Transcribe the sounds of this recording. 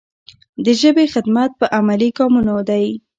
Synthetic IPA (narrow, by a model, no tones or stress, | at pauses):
d̪əʒəbexɪd̪mat̪̚pəʔamaliɡɑmunad̪aj